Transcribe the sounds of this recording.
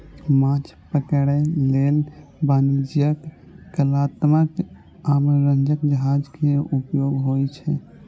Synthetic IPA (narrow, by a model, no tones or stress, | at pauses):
mãt͡ʃʰpəkəɽəlelbanid͡ʒjəkː | əlat̪mək | amɾənd͡ʒəkd͡ʒəɦad͡ʒkeupjoɡɦojt͡ʃʰɛ